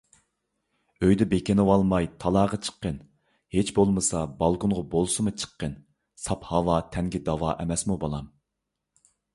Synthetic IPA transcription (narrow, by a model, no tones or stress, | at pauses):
øjd̪ɛbekʲenɪwɑlˠmɑjt̪ʰɑlˠɑːʁɑt͡ʃʰə̥qːən | het͡ʃbolˠmɨsɑbɑlˠkʰʊnʁɑbolˠsɨmɨt͡ʃʰə̥qːən | sɑphɑwɑt̪ʰɛŋɡʲid̪ɑwɑʔɛmɛsmubolˠɑm